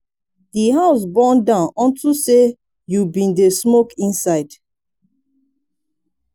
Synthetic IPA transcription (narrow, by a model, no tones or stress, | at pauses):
diɦaʊs̬bɔndãʊ̃nɔ̃ntuse | jubĩndesmokĩnsaɪd̥